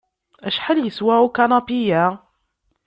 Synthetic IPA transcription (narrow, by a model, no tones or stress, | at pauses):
æʃħəljəswæʕukanɑpijæ